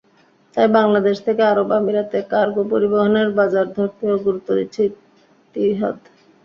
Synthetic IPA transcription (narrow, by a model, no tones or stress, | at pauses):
t̪ajbaŋlad̪eʃt̪ʰekeaɾobamiɾat̪ekaɾɡopoɾiboɦoneɾbad͡ʑaɾd̪ʱoɾt̪ioɡuɾut̪ːoɾit͡ɕʰi | t̪iɦɔ̰d̪